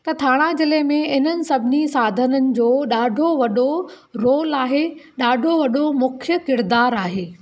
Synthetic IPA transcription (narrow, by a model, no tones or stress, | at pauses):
t̪ɐt̪ʰaːɽ̃ad͡ʑɪlemẽɪn̤ənɪ̆sɐbʱɪnisaːd̪ʱənənɪ̆d͡ʑoːɗaːɖʱoʋɐɗo | ɾoːlaːɦeɗaːɖʱoʋɐɗomʊkʰjəkɪɾd̪aːɾaːɦeː